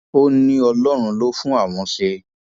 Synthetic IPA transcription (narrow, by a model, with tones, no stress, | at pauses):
o˦nĩ˦ɔ˧lɔ˦ɾ̃ũ˧lo˦fũ˦a˦˨w̃ɔ̃˧ʃe˧